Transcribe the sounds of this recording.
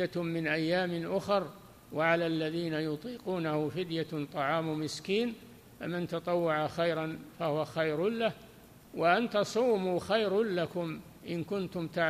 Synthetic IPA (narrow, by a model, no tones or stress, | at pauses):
amɪnʔajːaːmɪnʔʊxɑɾˤ | waʕalalːaðiːnajʊt̪ˤiːquːnahʊfɪd̪jat̪ˤɑʕɑːmʊmɪskiːn | fa̰mɪnt̪ɑt̪ˤɑwːɑʕaxajɾanfahʊwaxajɾʊlah | waʔant̪ɑsˤuːmuːxajɾʊnlakʊm | ʔɪnkʊnt̪ʊmt̪aʕ